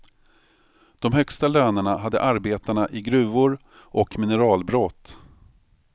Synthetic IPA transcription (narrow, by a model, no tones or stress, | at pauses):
d̪̥ɔmhœkst̪aløːnəɳaɦad̪ːə̰ʔaɾbeːt̪aɳaʔɪɡɾʉ̟ːvʊɾ | ʔɔkmɪnəɾɑːlbɾɔt̪ː